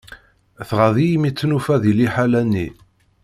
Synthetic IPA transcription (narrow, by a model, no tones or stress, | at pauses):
θʁaðijmit͡sːnufæðiliħalænːḭ